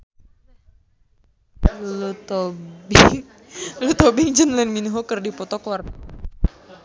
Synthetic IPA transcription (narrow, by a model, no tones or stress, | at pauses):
lut̪ɔbiŋ | lut̪ɔbiŋd͡ʒənlɛnminuɦɔkərdipɔt̪ɔkwar